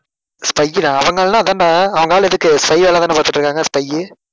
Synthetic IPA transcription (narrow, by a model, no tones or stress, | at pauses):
spɐɪjɯɽãːɐʋɐŋɡɐɭnãːɐðaːndaɐʋɐŋɡaːlɛðɯkːɯspɐɪʋɛːlaːt̪aːɐpaːɾt̪ɯʈːrɾɯkːaːŋɡɐspɐɪjɯ